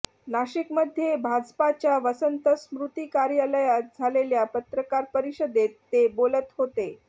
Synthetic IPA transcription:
naɕikməd̪ʱːjebʱad͡zpat͡ɕjaʋəsənt̪əsmɾut̪iːkaɾjaləjat̪̚d͡zʱaleljapət̪ɾəkaɾpəɾiɕəd̪et̪ːebolət̪ɦot̪e

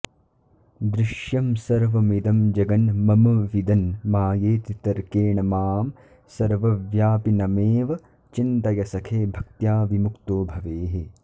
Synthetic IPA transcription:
d̪ɾɪʃjɐmsɐɾʋɐmid̪ɐmd͡ʒɐɡɐnmɐmɐʋid̪ɐnmaːjeːt̪it̪ɐɾkeːɳɐmaːm | sɐɾʋɐʋjaːpinɐmeːʋɐ | t͡ʃint̪ɐjɐsɐkʰeːbʱɐk̚t̪jaːʋimukt̪oːbʱɐʋeːɦe

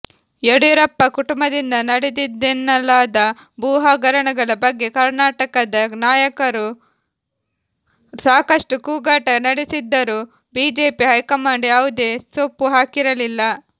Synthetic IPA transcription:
ɛɽuɾɐpːɐkuʈumbɐd̪ind̪ɐnɐɽed̪id̪enːɐlaːd̪ɐ | buːɦaːɡɐɾɐɳɐɡɐɭɐbɐɡːe̞kɐɾnaːʈɐkɐd̪ɐnaːjɐkɐɾu | saːkɐʂʈukuːɡaːʈɐnɐɽesid̪ːɐɾuː | biːd͡ʒe̞ːpiɦɐjkɐmaːɳɖeɐʋud̪e̞ːsopːuɦaːkiɾɐlilːɐ

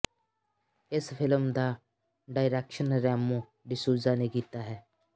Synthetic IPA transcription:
ɪspʰɪləmd̪aː | ɖaːɪɾɛːkʃənɾɛːmõː | ɖɪsuːzaːneːkiːt̪aːɦɛː

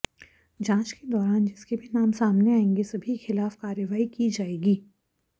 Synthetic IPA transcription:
d͡ʒãːt͡ʃked̪ɔːɾaːnd͡ʒɪskebʱinaːmsaːmneaːẽŋɡesɐbʱixɪlaːfkaːɾjəʋaːikid͡ʒaːeːɡiː

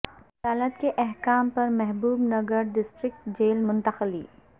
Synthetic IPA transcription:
ɐd̪aːlət̪keʔɛɦkaːmpɐɾmɛɦbuːbnɐɡəɾɖɪsʈɾɪk̚t̪d͡ʒeːlmʊ̃nt̪əxlḭː

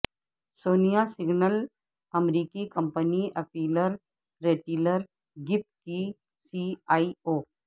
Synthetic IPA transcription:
soːnijasɪɡnəl | ɐmɾiːkikɐ̃mpəniʔɐpiːləɾ | ɾeːʈiːləɾ | ɡɪp̚ki | siaːioː

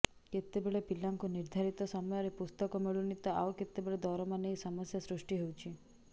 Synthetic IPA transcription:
ket̪ebeɭepilːaŋkuniɾd̪ʱaɾit̪ɔsɔmɔjɔɾepust̪ɔkɔmiɭunit̪ɔawket̪ebeɭed̪ɔɾɔmanejsɔmɔsjasɾuʂʈiɦewt͡ʃʰi

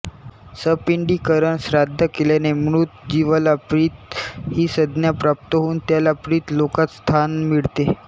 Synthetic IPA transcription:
səpiɳɖiːkəɾəɳsɾad̪ʱːəkelenemɾut̪̚d͡ʑiʋalapɾiːt̪hiːsəd̪njapɾap̚t̪əɦouːnt̪jalapɾiːt̪lokat̪st̪ʰanmiɭt̪e

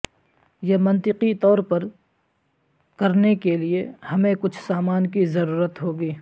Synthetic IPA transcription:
jemɐ̃nt̪ɪqit̪ɔːɾpɐɾ | kɐɾnekeliehɐmẽkʊt͡ʃʰsaːmaːnkizɐɾuːɾət̪ɦoːɡiː

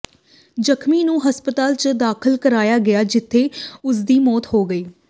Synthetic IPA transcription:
d͡ʒəkʰmiːnũːɦəspət̪aːlt͡ʃd̪aːkʰəlkəɾaːjaːɡɪjaːd͡ʒɪt̪ʰːeːʊsd̪iːmɔːt̪ɦoːɡəiː

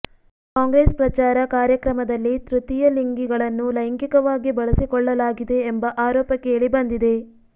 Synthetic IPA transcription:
kaːŋɡɾeːspɾɐt͡ʃaːɾɐkaːɾjɐkɾɐmɐd̪ɐlːit̪ɾut̪ijɐliŋɡiɡɐɭɐnːulɐjŋkikɐʋaːɡibɐɭɐsikɔɭːɐlaːɡid̪e̞ːmbɐʔaːɾɔːpɐkːeːɭibɐnd̪id̪e̞

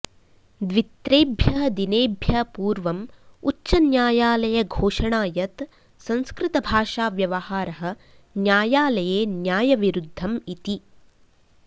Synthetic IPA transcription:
d̪ʋit̪ɾeːbʱjɐɦɐd̪ineːbʱjɐpuːɾʋɐmut͡ʃːʃɐnjaːjaːlɐjɐɡʱoːʂɐɳaːjɐt̪ | sɐ̃nskɾɪt̪ɐbʱaːʃaːʋjɐʋɐhaːɾɐɦɐ̆ | njaːjaːlɐjeːnjaːjɐʋiɾud̪ʱːɐmit̪i

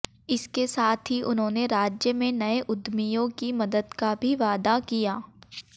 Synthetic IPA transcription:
ɪskesaːt̪ʰɦiʔʊnɦõːneɾaːd͡ʒjəmẽnɐeʔʊd̪mijõkimɐd̪əd̪kabʱiʋaːd̪akijaː

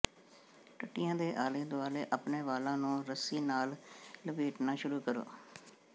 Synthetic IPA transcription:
ʈəʈɪjãːd̪eːʔaːleːd̪ʊaːleːʔəpneːʋaːlãːnũːɾəsiːnaːlləbiːʈnaːʃʊɾuːkəɾo̰ː

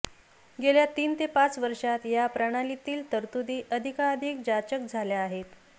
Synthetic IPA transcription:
ɡeljat̪iːnt̪epat͡sʋəɾʂat̪japɾəɽ̃alit̪iːlt̪əɾt̪ud̪iːʔəd̪ʱikaːd̪ʱik̚d͡ʑat͡ɕəkd͡zʱaljaːɦet̪

